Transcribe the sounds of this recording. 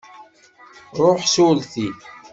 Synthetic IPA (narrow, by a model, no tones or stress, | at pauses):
ɾˤoħsulθi